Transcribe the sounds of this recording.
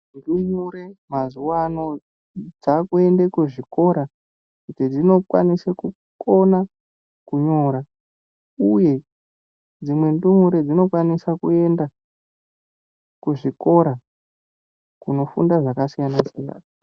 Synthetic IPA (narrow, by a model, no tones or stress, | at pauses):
ndumuɾemazuwano̞ | d͡zakue̞ndekuʐiko̞ɾa | kutid͡zino̞kwa̰niseku | ko̞na | kuɲo̞ɾa | uje̞ | d͡zimwe̞ndumuɾed͡zino̞kwanisakue̞nda | kuʐiko̞ɾa | kuno̞fundaʐakasijanasja̰ːna